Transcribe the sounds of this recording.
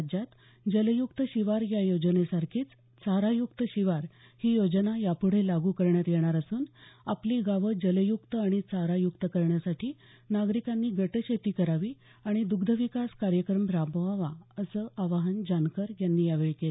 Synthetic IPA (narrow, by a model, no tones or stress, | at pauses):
d͡ʑat̪ | d͡ʑələjuk̚t̪əɕiʋaɾjajod͡ʑnesaɾkʰiːt͡s | t͡saɾajukt̪əɕiʋaɾ | hiːjod͡ʑnajapuɽ̤elaɡuːkəɾɳjat̪jeɽ̃aɾəsuːnapliːɡaʋəd͡ʑələjukt̪əaɽ̃it͡saɾajukt̪əkəɾɳjasaʈʰiː | naɡɾikanːiːɡəʈəɕʰet̪iːkəɾaʋiː | aɽ̃id̪uɡd̪ʱəʋikaskaɾjəkɾəmɾabʱəʋaʋaəsəːʔaʋaɦənd͡ʑankəɾjanːiːjaʋeɭke